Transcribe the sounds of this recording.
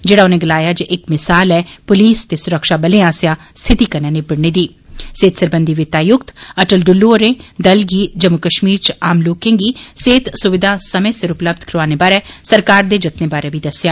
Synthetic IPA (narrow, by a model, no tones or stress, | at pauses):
d͡ʒeːɽaːʊnẽɡɪlaːjaːd͡ʒeʔɪkmɪsaːlɛːpʊliːst̪eːsʊɾəkʃaːbəlẽãːsjaː | st̪ʰɪt̪iːkəɾnãːnebɪɽneːd̪iː | seːt̪səɾbənd̪iʋɪt̪aːjʊkt̪əʈəlɖʊlːuoɾẽːd̪əlɡiːd͡ʒəmʊkəʃmiːɾt͡ʃaːmloːkɪ̃ŋɡiːseːt̪sʊʋɪd̪ʱaːsəmẽːsɪɾʊpləb̚d̪ʱkʰɾʋaːneːbaːɾeːsəɾkaːɾd̪eːd͡ʒɪt̪neːbaːɾebiːd̪əsjaː